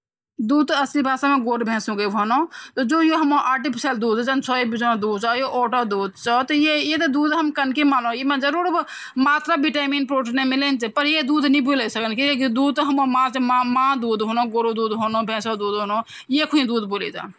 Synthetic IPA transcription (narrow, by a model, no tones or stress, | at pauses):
d̪uːd̪ɐslibʱaːsamẽɡoːɾbʱẽːsũɡebʱonot̪ɔd͡ʒojoɦɐmoʔaːɾʈipʰi̥səld̪uːd̪d͡ʒɐnt͡ʃʰoːibid͡ʒond̪uːd̪̚t͡ʃajoʔoːʈəd̪uːd̪̚t͡ʃɔt̪ɔjejet̪ed̪uːd̪ɦɐmkənkimaːlõjemẽd͡ʒəɾuːɾb | maːt̪ɾabiʈaːmiːnpɾoːʈinemilent͡ʃ̪epəɾjed̪uːd̪nĩbuləsəkənkikid̪uːd̪̚t̪ɦɐmomãːt͡ʃemamãd̪uːd̪ɦoːnoɡoːɾod̪uːd̪ɦoːnobʱẽːsod̪uːd̪ɦoːno | jekʰũĩd̪uːd̪boːlḭt̪a̰